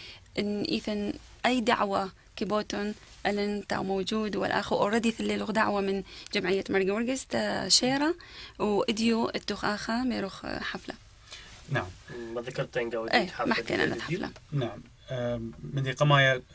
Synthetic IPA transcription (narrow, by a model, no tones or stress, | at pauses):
ʔɪnːʔiːθan | ʔajːd̪a̰ʕwa | kiboːt̪ʊn | ʔalɪnt̪a̰wmowd͡ʒuːd̪wa̰lʔa̰xwʔɾˤɑd̪iθɪlːiːluːɣd̪aʕwamɪnd͡ʒamʕɪjːamɑɾˤɡawʊɾɡɪst̪aʃeːɾˤɑwʔɪd̪juʔɪt̪ːuːxʔaːxamajɾuːxħafla̰ | naʕammaðakɑɾˤt̪ˤiːnɡawʔeːħamaħkːa̰nʔa̰nʔa̰t̪ħafla̰naʕamː | ɪnd̪iqɑmaːja